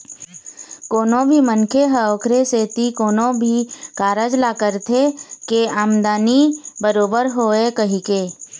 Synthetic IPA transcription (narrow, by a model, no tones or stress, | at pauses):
koːnõbʱimənkʰeɦɛoːkʰɾeset̪ikoːnõbʱikaːɾəd͡ʒlaːkəɾt̪ʰekeaːmd̪aːnibəɾoːbəɾɦoːekəɦikeː